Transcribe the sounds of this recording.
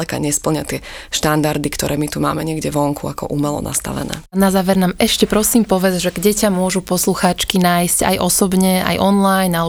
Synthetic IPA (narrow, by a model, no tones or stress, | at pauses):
ɛka̰ɲɛspl̩ɲɪat̪ɪɛʃt̪and̪aɾd̪ikt̪ɔɾɛːmit̪uma̰ːmɛɲɪɛɡɟɛʋɔŋkʰuakɔ̰ʔumɛlɔ̰na̰st̪a̰ʋɛ̰nɛ̰ːanazaːʋɛɾnaːmɛʃcɛpɾɔsiːmpɔʋɛd͡zʒɛɡɟɛcamʊɔʒupɔsluxaːt͡ʃkinaːjsca̰jʔɔsɔbɲɛa̰jʔɔnlajnːal